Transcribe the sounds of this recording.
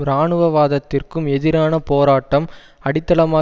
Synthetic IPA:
ɾaːɳɯʋɐʋaːðɐt̪ːɪrkɯmɛðɪɾaːnɐpoːɾaːʈːɐm | ɐɽɪt̪ːɐlɐmaː

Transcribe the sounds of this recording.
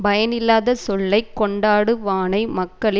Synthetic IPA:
bɐjɐnɪlːaːðɐsɔlːɐɪkːɔɳɖaːɽɯʋaːnɐɪmɐkːɐɭɪ

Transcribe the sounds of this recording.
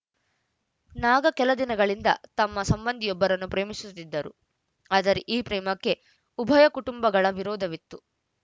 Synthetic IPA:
naːɡɐkɛlɐd̪inɐɡɐɭind̪ɐ̰t̪ɐmːɐsɐmbɐnd̪ʱijɔbːɐɾɐnːupɾeːmisut̪ːid̪ːɐɾṵ | aːd̪ɐɾiʔiːpɾɛːmɐkːe̞ | ubʱɐjɐkuʈumbɐɡɐɭɐʋiɾɔːd̪ʱɐʋit̪ːu

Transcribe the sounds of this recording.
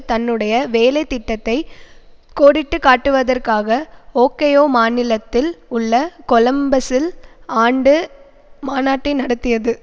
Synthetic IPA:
t̪ɐnːɯɽɐjɐʋeːlɐɪt̪ːɪʈːɐt̪ːɐɪkoːɽɪʈːɯkaːʈːɯʋɐðɐrkaːɣɐoːkejoːmaːnɪlɐt̪ːɪlʊɭːɐkɔlɐmbɐsɪlaːɳɖɯ | maːnaːʈːɐɪnɐɽɐt̪ːɪjɐðɯ

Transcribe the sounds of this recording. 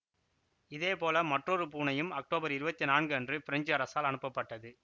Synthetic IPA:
ɪðeːpoːlɐmɐʈrɔɾɯpuːnɐjɯmɐk̚ʈoːbɐɾɪɾɯbɐt̪ːinaːnɡɯɐndrɯfɪɾɐɲd͡ʒɐɾɐsaːlɐnɯpːɐpːɐʈːɐðɯ

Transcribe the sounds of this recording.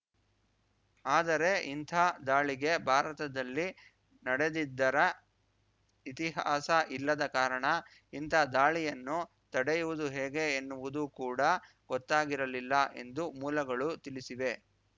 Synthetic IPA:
aːd̪ɐɾe̞ʔint̪ʰaːd̪aːɭiɡe̞bʱaːɾɐt̪ɐd̪ɐlːi | nɐɽe̞d̪id̪ːɐɾɐ | it̪iɦaːsɐʔilːɐd̪ɐkaːɾɐɳɐ | int̪ʰaːd̪aːɭijɐnːu | t̪ɐɽejuʋud̪uɦɛːɡe̞ːnːuʋud̪ukuːɽɐ | ɡ̥ɔt̪ːaːɡiɾɐlilːɐʔe̞̰nd̪umuːlɐɡɐɭut̪ilisiʋe̞

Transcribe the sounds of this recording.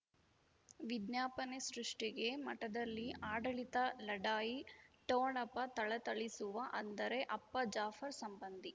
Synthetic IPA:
ʋid̪njaːpɐnesɾuʂʈiɡe̞mɐʈɐd̪ɐlːiaːɖɐɭit̪ɐlɐɖaːjiʈoːɳɐpːɐt̪ɐɭɐt̪ɐɭisuʋɐʔɐnd̪ɐɾe̞ʔɐpːɐd͡ʒaːfɐɾsɐmbɐnd̪i

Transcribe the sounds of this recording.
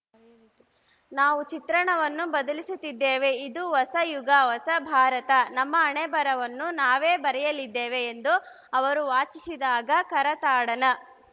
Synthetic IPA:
naːʋut͡ʃit̪ɾɐɳɐʋɐnːubɐd̪ɐlisut̪ːid̪ːeːʋe̞id̪uʋɐsɐjuɡaʋɐsɐbʱaːɾɐt̪ɐnɐmːɐːɳɛbɐɾɐʋɐnːunaːʋeːbɐɾɛjɐlid̪ːeːʋeːnd̪u | ɐʋɐɾuʋaːt͡ʃisid̪aːɡɐkɐɾɐt̪aːɽɐnɐ

